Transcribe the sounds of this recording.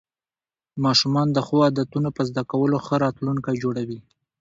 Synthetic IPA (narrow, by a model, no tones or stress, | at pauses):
mɑʃumɑnd̪əxoad̪at̪unopəzd̪akawəloxəɾɑt̪luŋkajd͡ʒoɽawi